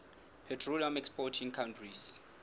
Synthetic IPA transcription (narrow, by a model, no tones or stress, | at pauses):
pʰɛtʰroliamɛkspɔtʰiŋkʰaw̃ntʰris